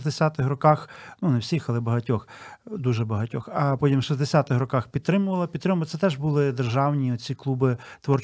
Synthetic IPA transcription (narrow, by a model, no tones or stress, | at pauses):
zd̪esʲat̪ɪxrɔkɑxnunewsʲixɐlˠɛbɐɦɐtʲɔxd̪uʒɛbɐɦɐtʲɔxɐpɔtʲimʃɐzd̪esʲat̪ɪxɾɔkɑxpʲid̪̚t̪ɾɪmʊʋɐlˠɐpʲid̪t̪ːɾɪmʊlˠt̪sɛt̪ɛʒbulˠɪd̪erʒɑwnʲiɔt͡sʲiklˠubɪt̪ʋɔrt͡ʃ